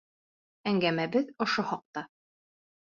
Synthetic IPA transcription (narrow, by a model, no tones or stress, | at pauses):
æŋɡæmæbɘðŏʃohɒq̚t̪ɑ